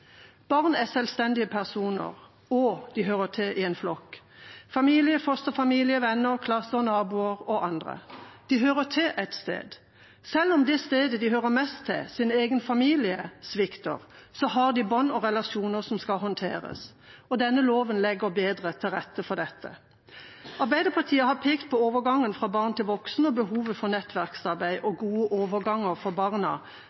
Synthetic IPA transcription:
b̥ɑʁnæsɛlst̪ɛnd̪ɪəpʰæʁsuːnə̰ʁ | ɔd̪ɪɦøːʁəʈ̪ʰɛʔɪɛnflɔkː | fɑmiːlɪəfɔst̪əfɑmiːlɪəʋɛnːəʁkʰlɑsːənɑːbuːəʁɔʔɑnd̪ʁə̰d̪̥ɪɦøːʁət̪ʰɪʔɛt̪st̪ḛːd̪ | sɛlːɔmd̪ɛst̪eːd̪əd̪ɪɦøːʁəmɛst̪ʰːɪ̰sɪneːɡənfɑmiːlɪəsʋɪkt̪ə̰ʁsɔɦɑʁd̪ɪbɔnːɔʁɛlɑʃuːnəʁsɔmskɑlɦɔnt̪ʰḛːɾə̰s | ɔd̪ɛnːəloːʋənlɛɡəɾbeːd̪ʁət̪ʰɪlʁɛt̪ːəfɔd̪ɛt̪ʰːə̰ | ɑɾbæɪd̪əpʰɑt̪ʰiːəhɑpʰeːkt̪̚pʰɔoːʋəɾɡɑŋːənfʁɑːbɑːʁnt̪ɪlʋɔksn̩ɔbəɦuːʋəfɔʁnɛt̪ːʋæʁksɑʁbæɪʔɔɡuːəʔoːʋəɾɡɑŋːəʁfɔbɑʁnɑ̰

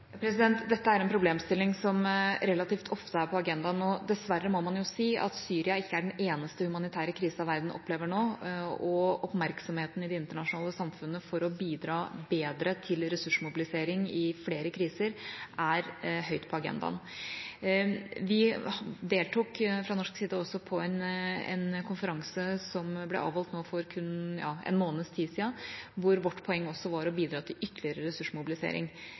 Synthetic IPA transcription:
pʰɾɛsɪd̪ɛnt̪d̪ɛt̪ːəæɾɛnpʰɾʊbleːmst̪ɪlːɪŋsɔmɾɛlɑt̪iːft̪ʰɔft̪əæɾpʰɔɑɡɛnd̪ɑnɔd̪ɛsʋærːəmɔmɑnjʊsiːʔɑ̰t̪syːɾɪɑɪkːəæɖɛneːnəst̪əhʉmɑnɪt̪ʰæːɾəkʰɾiːsɑʋæɾd̪n̩ʔɔ̰pːleːʋəɳoːɔɔpmæɾksɔmheːt̪ən̩ɪd̪ɛɪnt̪əɳɑʂnɑːləsɑmfʉnːəfɔɾɔbiːd̪ɾɑːbeːd̪ɾət̪ʰɪlɾɛsʉʂmʊbɪlɪseːɾɪŋɪfleːɾəkʰɾiːsəɾʔæɾɦœʏt̪pʰɔɑɡɛ̰nd̪ɑ̰n | ʋɪd̪eːlt̪uːkfɾɑnɔʂksiːd̪ɑɔsːɔpʰɔɛnɛ̰nkʰʊnfəɾɑŋsəsɔmblɛ̰ʔɑ̰ːʋɔlt̪noːfɔɾkʰʉnːjɑ̰ːɛ̰nmoːnəst̪ʰiːsiːɑʋʊɾʋɔʈːpʰɔɛŋːɔsːɔʋɑɾɔbiːd̪ɾɑːt̪ʰɪlʏt̪ːlɪəɾəɾɛsʉʂmʊbɪlɪsḛːɾɪ̰ŋ

